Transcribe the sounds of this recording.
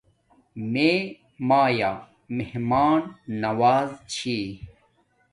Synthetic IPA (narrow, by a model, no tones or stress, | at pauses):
me | maːjaː | mehmaːnːɐwaːzt͡ɕʰi